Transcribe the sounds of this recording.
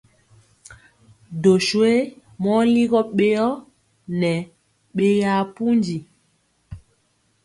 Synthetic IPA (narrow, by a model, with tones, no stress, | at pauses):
do˨ʃwe˦ | mɔ˦li˦ɣɔ˦ɓe˦ɔ˦ | nɛ˨ | ɓe˦ja˨pu˦nd͡ʒi˨